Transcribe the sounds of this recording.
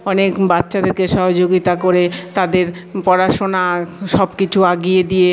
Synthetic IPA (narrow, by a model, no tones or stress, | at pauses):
ɔnekbat̪ːɕʰad̪eɾkeʃɔɦod͡ʑoɡit̪akoɾet̪ad̪eɾ | pɔɾaʃonaʃɔbkit͡ɕʰuaɡijed̪ije